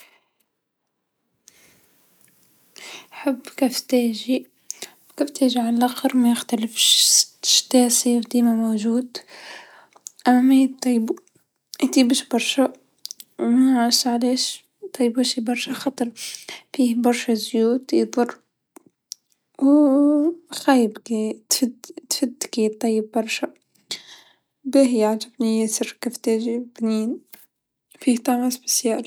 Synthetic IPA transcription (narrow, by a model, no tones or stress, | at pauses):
ʔħabːkaft̪aːʒi | kaft̪aːʒiʕanlʔaxɑɾˤmajɪxt̪alɪfʃʃt̪aːsiwd̪iːmamoːʒuːd̪ | ʔamːamat̪ɑb | jt̪ˤiːbɪʃbɑɾˤʃa | wmaasaʕleːʃ | t̪ˤːɑjːbaʃibɑɾˤʃaxɑt̪ˤɑɾˤfiːhbɑɾˤʃazjuːt̪jðˤʊrˤ | w | xajɪbkit̪fɪd̪t̪fɪd̪kit̪ˤːɑjːɪbːɑɾˤʃa | bɪɦjaʕd͡ʒɪbnijesɪrkɪft̪eːd͡ʒibniːn | fiːht̪amasbɪ̥sjaːl